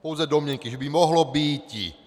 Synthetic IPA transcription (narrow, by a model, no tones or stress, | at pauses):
pɔʊd͡zad̪ɔmɪɛŋkiʒɛbimɔɦlɔbiːcḭ